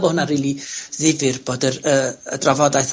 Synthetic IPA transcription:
bohʊnariːlˠiðɪvɨrb̥oːdərəə̰dravɔdajθ

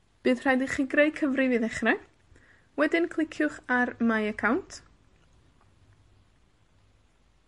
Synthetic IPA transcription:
b̥ɨːðr̥ajdiχiɡrejkʰəvrɪvɨːðɛχrɛ | wɛdɪnkʰlˠɪkʰjʊχarmajəkʰawntʰ

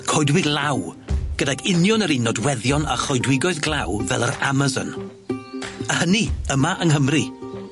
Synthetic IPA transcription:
kʰɔjdwɪɡlˠawɡ̥ədaɡʰɪnjɔnəɾinːɔdwɛðjɔna̰χɔjdwɪɡɔɨðɡlˠawvɛlˠəɾa̰mazɔ̰n | əhəniəmaʔəŋɦəmri

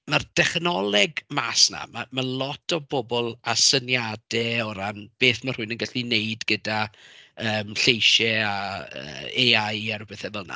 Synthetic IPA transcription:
mard̥ɛχnɔlˠɛɡmaːsna̰mamalˠɔtʰɔbɔbɔlˠasənjad̥ɛɔɾanb̥eːθmar̥uɨnənɡaɬineɨdɡədaəːmɬejʃɛaə̰ːeajɛɾbɛθɛvəlˠna̰

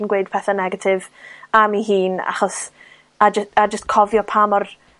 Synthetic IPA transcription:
nɡwejd̥̚pʰɛθanɛɡatʰɪvamiɦiːna̰χɔs | ad͡ʒəstad͡ʒəstkʰɔvjɔpʰamɔr

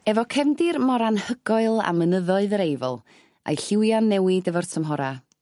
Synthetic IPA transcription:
ɛvɔkʰɛvndɪrmɔɾanhəɡ̥ɔɨlˠa̰mənəðɔɨðəɾejvəlˠ | a̰jɬɪwjanːɛwɪdəvɔrtʰəmɦɔɾa

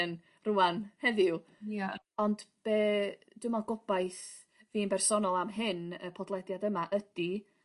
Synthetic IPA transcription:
n | ruanhɛðɪwa | ɔndb̥eː | d̥ɪmaɡɔb̥ajθ | viːnbɛrsɔnɔlˠamɦɪnə̰pʰɔdlˠɛdjadəmaʔədi

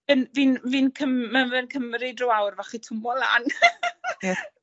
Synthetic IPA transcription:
vənviːnvinkʰəmmənvənkʰəmɾidrowawrvaχitʰʊmɔlˠan

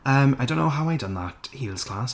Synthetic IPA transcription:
əmaɪjdõʊ̃nːoʊɦaʊaɪdʌ̃nðəthiːlˠz̥kʰl̥as

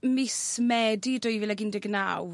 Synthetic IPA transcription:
mɪsmɛdidʊjvilɛɡindɪɡna̰w

